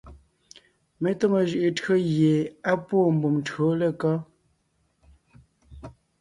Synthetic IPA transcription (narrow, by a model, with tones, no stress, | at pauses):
me˦to˦ŋo˨ʒʉ˨ʔe˨tɰo˦ɣje˨a˦pwo˦˨m̩˨bu˨m˨tɰo˨˦le˦˨kɔ˦